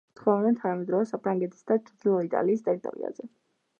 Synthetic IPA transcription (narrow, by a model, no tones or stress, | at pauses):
t̪χvɛlˠaɛnt̪ʰanamɛd̪ɾɔvɛsapʰɾaŋɡɛt̪ʰʼi̥sd̪at͡ʃd̪ilˠɔit̪ʼa̰liːst̪ʼɛɾit̪ʼɔ̰ɾḭa̰zɛ